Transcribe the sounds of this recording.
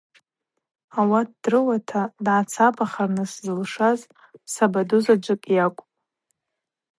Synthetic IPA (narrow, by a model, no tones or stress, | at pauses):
awat̚ʰdrɨwatʰadʕat͡sʰabaχarnɨszɨlʂaz | sabaduzad͡ʒʷɨkʼjakʷʼpʼ